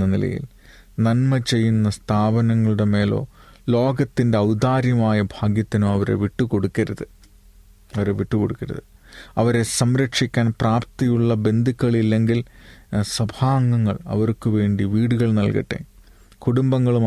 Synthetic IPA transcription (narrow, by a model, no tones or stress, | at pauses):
ɐnilɐ̰jḭl | nɐnmɐt͡ɕe̞jːunːɐst̪ʰaːbɐnɐŋːɐɭuɽe̞me̞ːlo̞̰ːlo̞ːɡɐt̪ːinde̞ɐwd̪aːɾjɐmaːjɐbʱaːɡjɐt̪ːinoːɐʋɐɾe̞̰ʋiʈːuko̞ɽukːɐɾɐðɨ | ɐʋɐɾe̞ʋiʈːuko̞ɽukːɐɾɐ̰ðɨ | ɐʋɐɾe̞sɐmɾɐkʂikʲːaːnpraːp̚t̪ijuɭːɐbe̞nd̪ʱikʲːɐɭilːe̞ŋɡilsɐbʱaːŋɡɐŋːɐɭɐ̰ʋɐrkɨʋe̞ːɳɖiʋiːɽuɣɐɭnɐlkɐ̰ʈːḛː | kuɽumbɐŋːɐɭu